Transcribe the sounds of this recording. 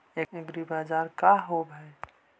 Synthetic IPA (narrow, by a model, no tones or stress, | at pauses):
eeɡɾibaːd͡ʒaɾkaɦobɛ